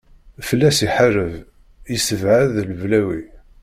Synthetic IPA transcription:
fəlːæsiħərəv | jisəvʕəðləvlæwi

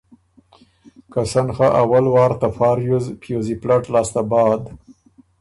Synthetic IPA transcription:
kasanxaʔawalwɑːɾt̪afɑːɾjuzpjoziplaʈlɑːst̪abɑːd̪

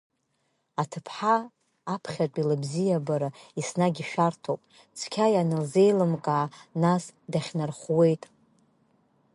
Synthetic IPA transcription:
atʰɨpʰħaː | pʰχʲat͡pʷʼilɨbzijabaɾaisnaɡʲiʃᶣartʰowpʼ | t͡sʷʰkʲʰajanɨlze̞jlɨmkʼaːnasdaχʲnarχwe̞jtʼ

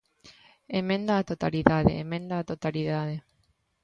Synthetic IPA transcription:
emẽnd̪aːt̪ot̪aliðaðḛemẽnd̪aːt̪ot̪aliðaðe

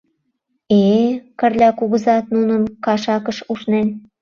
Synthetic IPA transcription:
ekə̆rlʲækuɣə̆zɑt̪̚nunə̆nkɑʃɑkəʃuʃnen

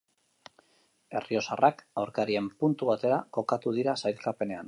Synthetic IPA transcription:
e̞̰rio̞sarakawɾkaɾie̞mpunt̪uβat̪e̞ɾako̞kat̪uð̞iɾasajlkape̞ne̞an

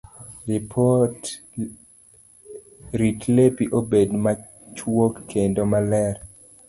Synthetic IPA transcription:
ripʰɔt | ɾitlepiʔobedma | t͡ʃwokːendomalɛr

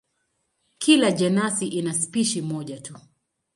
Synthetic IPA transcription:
kʰilaʄɛnasiʔinaspiʃimɔʄatu

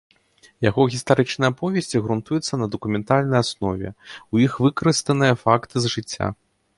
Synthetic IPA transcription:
jaɣɔɣʲist̪aɾɨt͡ʂnɐjɐpɔvʲɛsʲt͡sʲiɣɾunt̪ujɛt̪sːɐnɐd̪ɐkumʲɛnt̪alʲnɐjasnɔvʲɛ̰ujixvɨkɐɾɨst̪ɐnɨjɐfakt̪ɨzʐɨt͡sʲːa̰

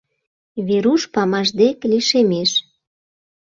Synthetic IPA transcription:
βeɾuʃpɑmɑʒd̪ekliʃemeʃ

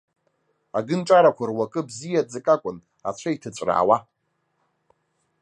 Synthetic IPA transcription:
aɡɨnt͡ʃʼaɾakʷʰarwakʼɨbzijad͡zɨkʼakʷʼʊn | a̰t͡ɕʷʰaitʰɨt͡ɕʷʼra̰ːwa

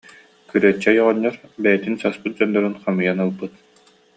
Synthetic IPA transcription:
kyɾœt͡ɕːɛjɔʁɔɲːɔɾbɛjɛt̪insaspɯt̪̚d͡ʑɔnd̪ɔɾɯnχamɯjanɯlˠbɯt̪

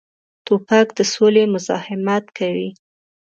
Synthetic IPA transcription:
t̪opakd̪əsolemʊzɑ̰hɪmat̪kawi

